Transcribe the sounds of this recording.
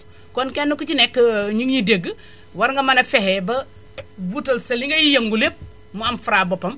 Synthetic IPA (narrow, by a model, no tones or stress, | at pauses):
konkenːukut͡ʃinekːɲiŋɲideɡː | wɐɾŋɡɐmɐnɐfehebɐ | butolsɐliŋɡɐjijɐŋɡulep̚ | muɐmfuɾabopɐm